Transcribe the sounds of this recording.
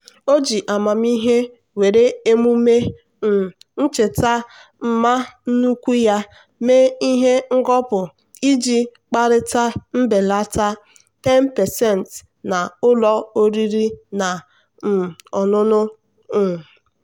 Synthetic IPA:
o˦d͡ʒi˨ʔa˨ma˨m˦i˦ɦe˦ | we˨ɾe˦e˦mu˦me˦˨ | n̩˦t͡ʃe˨ta˦m̩˦ma˦n̩˦nu˦kʷu˦ja˦ | me˦i˦ɦe˦ŋ̩˦ɡɔ˦pʊ˨ | i˦d͡ʒi˦ | k͡pa˦ɾɪ˦ta˦m̩˦be˨la˦ta˦ | tɛ˦npɛ˨sɛ˦˨n˨t | na˨ʊ˦lɔ˦o˦ɾi˦ɾi˦na˨ | ɔ˨nʊ˦nʊ˦˨

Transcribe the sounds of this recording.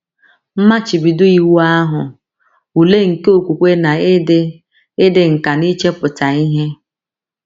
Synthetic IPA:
m̩˦ma˦t͡ʃi˨bi˨dʊ˦i˨wu˦a˦ɦʊ˨ | u˨le˦ŋ̩˨ke˦o˨kʷu˨kʷe˦na˨e˦d | e˦de˨ŋ̩˨ka˨ni˦t͡ʃe˦pʊ˨ta˨i˦ɦe˦

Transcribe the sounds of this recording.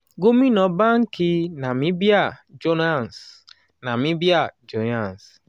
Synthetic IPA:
ɡo˦mi˦nɔ˨ba˦ŋ̩˦kɪ˦na˨mi˦bi˦a˨d͡ʒo˦na˦˨n˨s | na˨mi˦bi˦a˨d͡ʒo˨na˦˨n˨s

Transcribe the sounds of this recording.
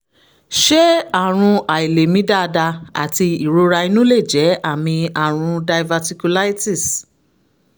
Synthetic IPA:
ʃɛ˦a˦˨ɾ̃ũ˧a˨i˨le˨mĩ˨˦da˦˧da˧a̰˨ti˧i˨ɾo˧ɾa˧i˧nũ˦le˦˨d͡ʒɛ˨˦ʔa˦˨mĩ˧a˨ɾ̃ũ˧da˧jva˧ti˧ku˧la˦i˦ti˦˨s

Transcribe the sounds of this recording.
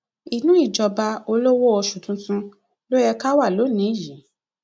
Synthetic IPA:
i˨nũ˦i˦˨d͡ʒɔ˧ba˧o˧lo˦wɔ˦ɔ˧ʃũ˨tũ˨˧tũ˧ | lo˦jɛ˧ka˦wa˦˨lo˨˦nĩ˨˦i˦˨ji˨˦

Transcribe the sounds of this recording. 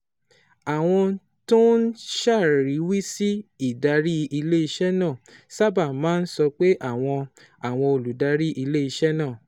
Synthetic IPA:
a˨w̃ɔ̃˧ | to˦n̩˦ʃa˦˨ɾi˨˦wi˦si˦i˦˨da˧˦ɾi˦i˧le˦i˧ʃɛ˦nãː˦˨sa˦ba˦˨mãː˨˦n̩˦sɔ˧k͡pe˦ʔa˦˨w̃ɔ̃˧ | a˨w̃ɔ̃˧o˨lu˨da˧˦ɾi˦ʔi˧le˦i˧ʃɛ˦nãː˦˨

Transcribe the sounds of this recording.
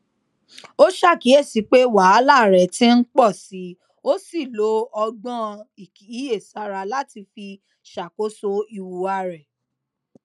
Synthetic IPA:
o˦ʃa˦˨ki˨˦e˦˨si˨˧˦k͡pe˦wa˨˦la˦˨ɾɛ˨tĩ˦n̩˦k͡pɔ˦˨si˨˦ | o˦si˦˨lo˨˦ɔ˧ɡ͡bã˦i˨ki˨˦je˦˨sa˨˦ɾa˧la˦ti˧fi˧ | ʃa˨ko˨˦so˦i˧wu˨a˧ɾɛ˨

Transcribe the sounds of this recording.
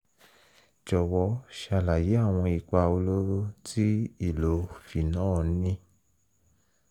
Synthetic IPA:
d͡ʒɔ˨wɔ˧˦ʃa˧˨la˨je˨˦a˦˨w̃ɔ̃˧i˧k͡pa˧o˧lo˦ɾo˦tʰi˦i˦˨lo˨˦fi˨nãː˦˨˦nĩ˦

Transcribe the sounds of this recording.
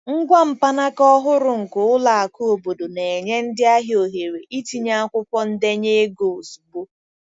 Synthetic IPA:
ŋ̩˦ɡʷa˦m̩˨pa˦na˦kɔ˦ɦʊ˦ɾʊ˨ŋ̩˨kʊ˨ʊ˦la˨a˨ku˦o˨bo˨do˨ne˨e˨ɲe˦n̩˦dɪ˦a˦ɦjo˨ɦe˨ɾe˨ʔi˦ti˨ɲa˦a˦kʷʊ˦pɔ˦n̩˦de˦ɲe˦e˦ɡo˨su˨bo˦

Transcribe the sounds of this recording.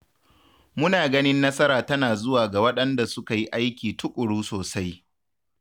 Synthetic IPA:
mʊ˦naː˨ɡɐ˦nɪ˦nːɐ˦sɐ˦ɾaː˨tɐ˦naː˨zʊ˦waː˨ɡa˨wɐ˦ɗɐ˦nda˨sʊ˦ka˨ji˦ʔa˦jkʲiː˨tʊ˦kʷʼʊ˨ɽuː˦soː˨sa˦j

